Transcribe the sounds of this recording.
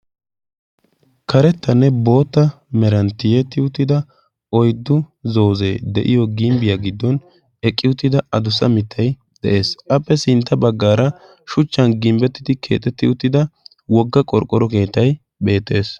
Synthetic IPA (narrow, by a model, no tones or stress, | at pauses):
kɐɾɛt̪ːɐnːɛbo̞ːt̪ːɐ | mɛɾɐnt̪ːɪjɛt̪ːɪʊt̪ːɪd̪ɐ | ɔjd̪ːʊzo̞ːzḛːd̪ɛ̰ʔɪjɔɡɪmbɪjaɡɪd̪ːɔn | ɛkʼːɪʊt̪ːɪd̪ɐɐd̪ʊsɐ̰mɪt̪ʰːɐj | d̪̥ɛ̰ʔe̞ːsʔɐpːɛsɪnt̪ːɐbɐɡːaːɾɐ | ʃʊt͡ʃːɐnɡɪmbɛt̪ːɪ̥t̪ɪkʰe̞̰ːt̪ːɛt̪ːɪʊt̪ːɪd̪ɐ | wɔɡːɐkʼɔɾkʼːɔɾɔke̞ːt̪ːɐj | be̞ːt̪ːe̞ːs